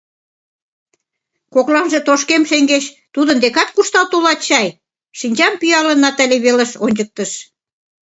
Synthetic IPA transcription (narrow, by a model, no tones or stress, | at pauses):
koklɑnʒĕt̪oʃkemʃeŋɡeɕ | t̪ud̪ənd̪ekɑt̪̚kuʃt̪ɑlt̪ulɑt̪ɕɑj | ʃinʲt͡ɕɑmpyjɑlə̆nɑt̪æleβelə̆ʃonʲd͡ʑək̚t̪ə̆ʃ